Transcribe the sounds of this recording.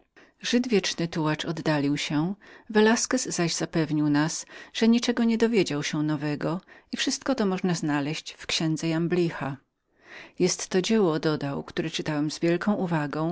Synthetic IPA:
ʐɘd̪vʲjɛt͡ʂnɘt̪uwat͡ʂɔd̪ːalʲiwɕɛvɛlaskɛzːaʑzapɛvɲiwnasʐ̥ɛɲit͡ʂɛɡɔɲɛd̪ɔvʲjed͡ʑawɕɛnɔvɛɡɔifʂɘst̪kɔt̪ɔmɔʐnaznalɛɕt͡ɕfkɕɛnd̪zɛjamblʲixa | jɛst̪ːɔd͡ʑɛwɔd̪ɔd̪awkt̪uɾɛt͡ʂɘt̪awɛmzvʲjɛlkɔ̃w̃ʔuvaɡɔ̃w̃

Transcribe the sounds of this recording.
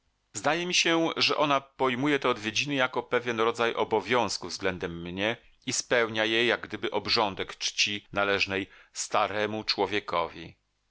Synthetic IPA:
zd̪ajɛmʲiɕɛʐɛʔɔnapɔjmujɛt̪ɛɔd̪vʲjed͡ʑinɘjakɔpɛvʲjɛnɾɔd̪zajʔɔbɔvʲjɔ̃w̃skuvzɡlɛnd̪ɛmːɲɛ | ispɛwɲajejːaɡ̚ɡd̪ɘbɘʔɔbʐɔnd̪ɛkt͡ʂt͡ɕinalɛʐnɛjst̪aɾɛmut͡ʂwɔvʲjɛkɔ̰vʲḭ

